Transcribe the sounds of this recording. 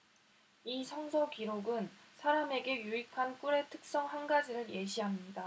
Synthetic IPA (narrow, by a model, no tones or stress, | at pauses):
isʰʌŋsʰoɡiɾoɡɯnsʰaɾame̞ɡe̞juikʰank͈uɾe̞tʰɯk̚s͈ʌŋhanɡad͡ʑiɾɯɾje̞ɕʰiɦamɲida